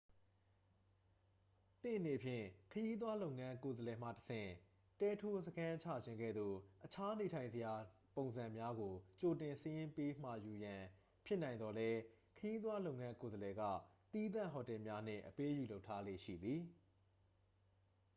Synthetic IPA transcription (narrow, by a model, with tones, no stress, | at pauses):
t̪ɪ̰̃˦˨ʔəne˨pʰjɪ̰̃˦˨kʰəji˦d̪̬wa˦lo˦ʊ̃˨ŋã˦ko˨zəlɛ˨m̥ä̰˦˨təsʰɪ̰̃˦˨ | tɛ˦tʰo˦səkʰã˦t͡ɕʰa̰˦˨d͡ʑʰɪ̃˨ŋɡɛ̰˦˨d̪o̰˦˨ʔət͡ɕʰa˦ne˨tʰã˨ɪ̃nzə˨ja˨põ˨ʊ̃nzã˨mja˦ɡo˨t͡ɕo˨tɪ̃˨nsə˦jɪ̃˦mpe˦m̥a̰˦˨ju˨jã˨ | pʰjɪ˦ʔnã˨ɪ̃nd̪ɔ˨lɛ˦ | kʰəji˦d̪wa˦lo˦ʊʔŋã˦ko˨zəlɛ˨ɡa̰˦˨t̪i˦d̪ã̰˦˨ɦɔ˨tɛ˨mja˦n̥ɪ̰̃˦˨ʔəpe˦ju˨lo˦ʊtʰːa˦lḛ˦˨ʃḭ˦˨d̪ði˨